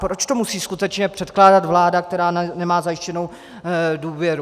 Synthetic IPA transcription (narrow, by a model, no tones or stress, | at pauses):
pɾo̞t͡ʃt̪o̞musiːskut̪ɛt͡ʃɲɛpr̝̥ɛt̪klaːdat̪vlaːdak̚t̪ɛɾaːnɛmaːzajɪʃcɛno̞w | duːvjɛɾu